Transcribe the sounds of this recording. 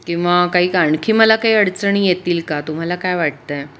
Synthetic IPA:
kĩw̃ʋakaɦiːkaɳkʰiːməlakaɦiːəɽt͡səɳiːjet̪iːlkat̪um̤alakajʋaʈ̚t̪əj

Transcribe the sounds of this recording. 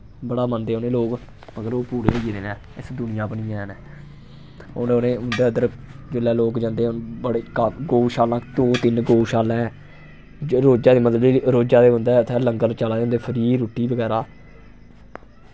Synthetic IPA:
bəɽaːmənd̪eːɦõːnẽːloːk | məɡəɾoːpuːɾeːiːɾeːnɛː | ɪsd̪ʊnɪjãːbənĩːɛːnɛː | ononeːʊnd̪eːəd̪əɾd͡ʒɪlːɛːloːkd͡ʒãːnd̪eːnbɽeːkaɡoːʃaːlãːd̪oːt̪ɪnɡoːʃaːlɛ̃ː | ɾoːd͡ʒaːd̪eːmət̪ləd̪iːɾoːd͡ʒaːd̪eːɦʊ̃nd̪ɛːt̪ʰːɛːləŋɡəlt͡ʃaːlãːnd̪eːpʰəɾiːɾoːʈːiːbəɡɛːɾaː

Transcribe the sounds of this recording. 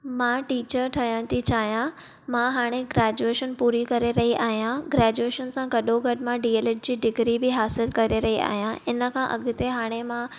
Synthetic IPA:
mãːʈiːt͡ɕəɾʈʰɐjəɽ̃t̪ʰit͡ɕaːɦijã | mãɦaːɽ̃eɡɾɛːd͡ʑueːʃənpuːɾikɐɾeɾɐɦiʔaːɦijãɡɾɛːd͡ʑueːʃənsãɡɐɗoɡɐɖɪ̆mãɖiːeːləʈ̚d͡ʑiːɖɪɡɾibɪɦaːsɪlkɐɾeɾɐɦia̰ːɦijãɪnə̆kʰãʔɐ̰ɠʊ̆t̪eɦaːɽ̃emãː

